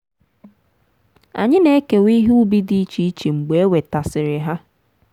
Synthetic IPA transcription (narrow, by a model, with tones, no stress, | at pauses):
a̰˨ɲɪ˦ne˦e˦ke˨wi˦ɦu˦bi˦di˦t͡ʃi˦i˦t͡ʃi˨ŋ͡m̩˨ɡ͡be˨e˦we˨ta˨sɪ˨ɾɪ˨ɦa˦